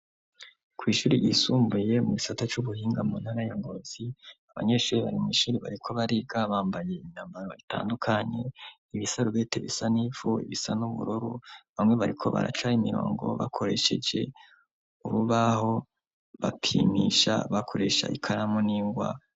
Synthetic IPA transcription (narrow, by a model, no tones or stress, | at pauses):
kʰwiːʃuːɾijisuːmbuje̞muɡisatat͡ʃuβuhiːŋɡamunhaɾajaŋɡo̞z̥iaβa̰ɲe̞ʃuːɾiβaɾimiːʃuːɾiβa̰ɾikʰo̞βaɾiɡaβaːmbaje̞imɲaːmbaɾoita̰ːndukʰaɲe̞ | iβisaɾuβeteβisanifuḭβisanuβṵɾuɾuβamŋwe̞βaɾikʰo̞βa̰ɾa̰t͡ʃaimiɾo̞̰ːŋɡo̞̰βa̰kʰo̞ɾe̞ʃe̞d͡ʒe̞ | uɾuβaho̞ | βapʰimiʃa̰βakʰo̞ɾe̞ʃa̰ʔikʰaɾamoniːŋɡwa̰